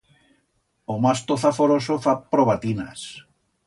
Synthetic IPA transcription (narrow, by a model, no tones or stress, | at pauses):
omast̪oθafoɾosofapɾoβat̪ina̰s